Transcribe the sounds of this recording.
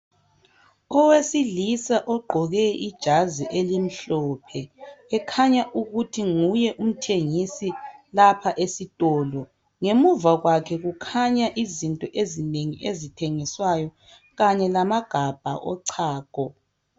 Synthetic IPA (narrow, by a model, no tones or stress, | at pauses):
ɔwesilisaʔɔɡ͡ǃʱɔɣɛid̥ʒ̥ʱaziʔelim̩ɬɔːpʰɛːkʰaɲaʔuɣutʰiŋujɛʔum̩tʰeŋisilapʰaʔesitʼɔːlɔ | ŋemuvaɣwakʰɛɣukʰaɲaʔizintʼɔʔezineŋiʔezitʰeŋiswajɔ | ɣaɲɛlamaɡ̥ʱab̥ʱa̰ʔɔǀʰaːkɔ